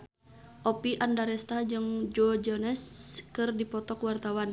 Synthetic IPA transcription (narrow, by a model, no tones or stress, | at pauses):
ʔɔpiʔandaɾɛst̪ad͡ʒɨŋd͡ʒɔd͡ʒɔnɛskɨrdipɔt̪ɔkwart̪awan